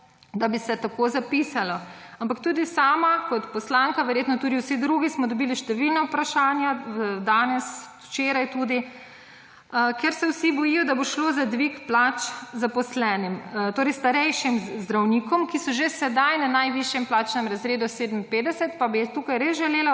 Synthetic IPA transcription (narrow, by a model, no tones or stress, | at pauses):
d̪abisɛt̪akozapisalɔampakt̪uːd̪isaːmakɔt̪pɔslaŋkaʋɛɾjet̪nɔt̪uːd̪iwsid̪ɾuɡismɔd̪ɔbiliʃt̪ɛʋilnawpɾaʃaːnjad̪aːnɛs | t͡ʃeɾajt̪uːd̪i | kɛɾsɛwsibɔjijɔd̪aboʃloːzad̪ʋikplat͡ʃzapɔslɛːnimt̪oːɾɛjst̪aɾɛjʃimzd̪ɾawniːkɔmkisɔʒesɛd̪ajnanajʋiʃjɛmplaːt͡ʃnɛmɾɐzɾeːd̪ɔseːd̪əmpeːd̪ɛsɛt̪pabit̪uːkajɾezʒɛleːla